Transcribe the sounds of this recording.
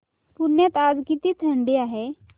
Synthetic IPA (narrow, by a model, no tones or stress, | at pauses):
puɾnjat̪ad͡zkit̪iːt̪ʰəɳɖiaɦe